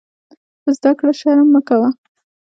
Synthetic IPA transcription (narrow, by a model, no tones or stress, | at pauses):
pəzd̪akɽaʃɑɾamːəkawa